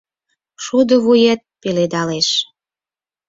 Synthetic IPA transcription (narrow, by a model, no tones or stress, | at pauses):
ʃud̪ə̆βujet̪̚peled̪ɑleʃ